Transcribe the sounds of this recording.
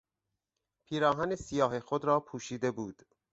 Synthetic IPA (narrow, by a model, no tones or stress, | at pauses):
pʰiːɾɒːɦænesijɒːɦexod̪ɾɒːpʰuːʃiːd̪e̞buːd̪̥